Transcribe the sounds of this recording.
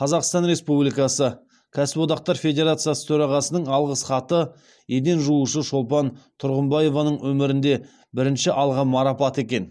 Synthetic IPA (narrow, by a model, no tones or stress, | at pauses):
qʰɑzɑqst̪ɑnɾe̞spublijkɑsə | kʲʰæsɪpwo̞d̪ɑq̚t̪ɑɾfʲe̞d̪ʲe̞ɾat̪sijasə̥t̪ʰɵɾɑʁɑsənəɴɑlˠʁəsχɑt̪ə | jed̪e̞nʒuuʃəʃo̞lˠpɑnt̪ʰʊɾʁəmbɑje̞vɑnəɴwɵmɪɾɪnd̪e̞ | bɪɾɪnʃɪʔɑlˠʁɑmɑɾɑpɑt̪e̞kʲe̞n